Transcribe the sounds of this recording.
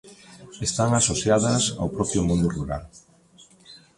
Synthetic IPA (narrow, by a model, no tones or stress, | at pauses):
est̪aŋasoθjaðɐsa̰wpɾɔpɾjʊmõnd̪uruɾa̰l